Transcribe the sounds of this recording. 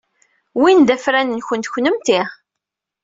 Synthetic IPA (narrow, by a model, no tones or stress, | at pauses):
wind̪æfɾænənçənt̪çnəmt̪i